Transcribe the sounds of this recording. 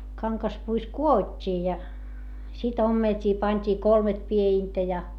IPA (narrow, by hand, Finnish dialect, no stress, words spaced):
kɑŋkɑspuis kuotʲːiː jɑ sit omːeltʲiː pɑnʲtʲiː kolmet pieintæ jɑ